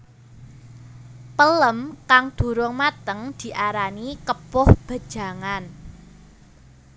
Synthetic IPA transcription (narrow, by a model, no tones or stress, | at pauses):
pələmkaŋd̪̥ṳɾʊŋmat̪əŋd̪̥i̤ʔaɾanikəpʊhb̥a̤d̥ʒ̥a̤ŋan